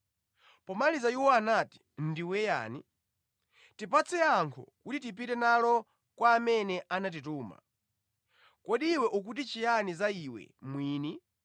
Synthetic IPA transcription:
pɔmalizaiwɔanati̥ | ndiwɛja̰ni | tipat͡sʰɛaŋkʰɔ̰kutitip̬itɛnalɔ | kwaːmɛnɛʔanat̬it̬uːma̰ | kɔɗiwɛʔuk̬ut̬it͡ʃijanizaiwɛ̰mwiːni

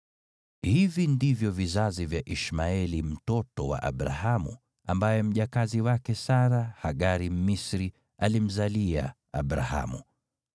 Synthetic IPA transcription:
hivindivjɔvizazivjaʔiʃmaɛlim̩tɔtɔwa̰ʔa̰ɓɾa̰hamṵ | ambajɛm̩ʄakaziwakɛsaɾahaɠaɾim̩misɾi | alim̩zalia̰ | a̰ɓɾa̰ha̰mṵ

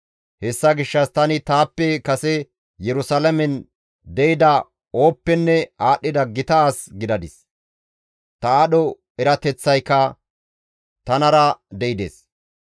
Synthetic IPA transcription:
hɛsːɐɡɪʃːɐst̪ɐnɪt̪aːpːɛkɐsɛ | jɛɾʊsɐlɐmɛn | d̪ɛjɪd̪ɐ | o̞ːpːɛnːɛaːɗːɪd̪ɐɡɪt̪ɐːsɡɪd̪ɐd̪ɪs | t̪ɐaɗɔ | ɛɾɐt̪ɛt͡sːɐjkːɐ | t̪ɐnɐɾɐd̪ɛʔɪd̪ḛːs

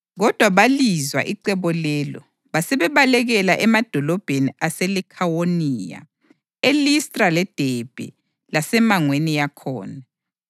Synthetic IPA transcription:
ɣɔd̥ʱwaβalizwa̰ʔiǀɛβɔlɛːlɔ̰ | βasɛβɛβalɛɣɛlaʔɛmad̥ʱɔlɔb̥ʱeniaselikʰawoniːja̰ | elistʼralɛd̥ʱɛb̥ʱɛ̰ | lasɛmaŋwenijakʰɔ̰ːna

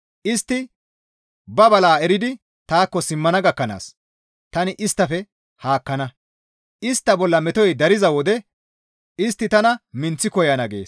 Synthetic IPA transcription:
ʔɪst̪ːɪ | bɐbɐlaːɛɾɪd̪ɪ | t̪aːkːɔsɪmːɐnɐɡɐkːɐna̰ːs | t̪ɐnɪʔɪst̪ːɐfɛ | haːkːɐnɐ | ʔɪst̪ːɐbɔlːɐmɛt̪ɔjd̪ɐɾɪzɐwɔd̪ɛ | ɪst̪ːɪt̪ɐnɐmɪnt͡sːɪkɔjɐnɐɡe̞̰ːs

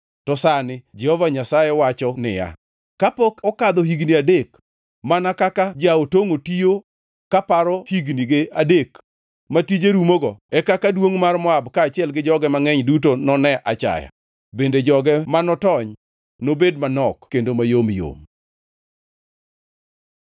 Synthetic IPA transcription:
tɔsanɪd͡ʒɛhɔvaɲasajewat͡ʃɔnɪ̰ja̰ | kapɔkɔkad̪ɔɦiɡniadek | manakakad͡ʒaotoŋotijo | kapaɾɔhiɡniɡɪadek | matid͡ʒeɾumoɡɔɛkakadwoŋmarmɔabkaːt͡ʃɪɛlɡɪd͡ʒɔɡɛmaŋɛɲdutonɔnɛʔa̰t͡ʃa̰ja̰ | bended͡ʒɔɡɛmanɔtɔɲ | nobedmanɔkkendomajomjo̰m

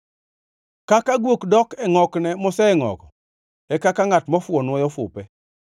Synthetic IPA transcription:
kakaɡwokdɔkɛŋɔknɛmʊsɛɛŋɔ̰kɔ | ɛkakaŋatmɔfʊɔnwɔjɔfʊ̰pɛ

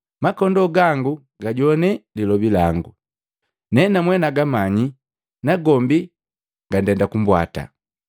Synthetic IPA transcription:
makɔndɔɡaŋɡu | ɡaɟɔnɛlilɔbilaŋɡu | nɛnamwɛnaɡamaɲi | naɡɔmbi | ɡandɛndakumbwa̰ta̰

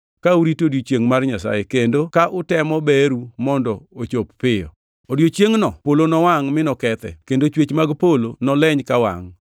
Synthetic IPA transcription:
kauɾitodjot͡ʃjeŋmarɲasa̰jekendokaʔʊtɛmɔbɛɾumɔndɔot͡ʃopːɪjɔ̰ | odjot͡ʃjeŋnɔpolonɔwaŋmɪnɔkɛt̪ɛ̰kendot͡ʃwet͡ʃmaɡpolonɔlɛɲkawa̰ŋ

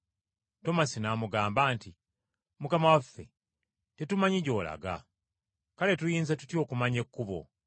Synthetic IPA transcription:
to̞masinaːmuɡaːmbaːnti | mukamawafːe̞ | te̞tumaɲiɟo̞ːla̰ɡa̰ | kale̞tujiːnzatutjo̞ːkumaɲe̞kːuβo̰

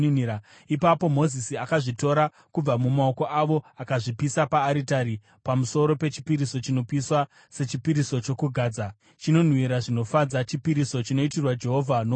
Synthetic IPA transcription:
a | ipapo̞mo̞zisiakaʐito̞ɾa | kub͡vamumao̞ko̞ʔaʋo̞akaʐipisapaːɾitaɾi | pamuso̞ɾo̞pe̞t͡ʃi̥piɾiso̞t͡ʃino̞piswa | se̞t͡ʃipiɾiso̞t͡ʃo̞kuɡʱaːd͡za | t͡ʃino̞n̤wiɾaʐino̞fad͡zat͡ʃipiɾiso̞t͡ʃino̞itirwad͡ʒe̞ɦo̞vʱano

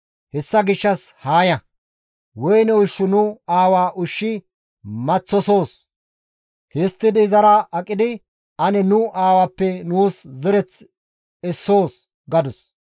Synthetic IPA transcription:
hɛsːɐɡɪʃːɐshaːjɐ | wɔjnɛwʊʃːʊnʊaːwaːʔʊʃːɪ | mɐt͡sːɔso̞ːs | hɪst̪ːɪd̪ɪzɐɾaʔɐkʼːɪd̪ɪ | ɐnɛnʊʔaːwaːpːɛnuːszɛɾɛt͡s | ɛsːo̞ːs | ɡɐd̪ʊs

